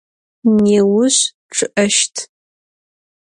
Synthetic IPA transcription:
neːwʊɕ | ʈ͡ʂʰɨʔɐʃtʰ

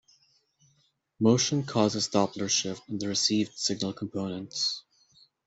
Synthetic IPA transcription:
moʊʃɨ̃nkʰɔzɨzdɑplə˞ʃɪpə̃nðəɹɨsivd̥sɪɡ̚nəl̩ˠkʰm̩pʰõʊ̃nə̃nts

